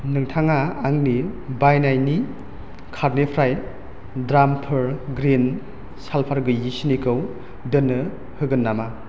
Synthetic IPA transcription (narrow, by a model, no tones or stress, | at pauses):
nɯŋtʰaŋaːŋnibajnajni | kʰaɾnepʰɾaj | dɾampʰɯɾɡɾin | salpʰaɾɡɯjisinikʰɯw | dɯnːɯ | hɯɡɯnːama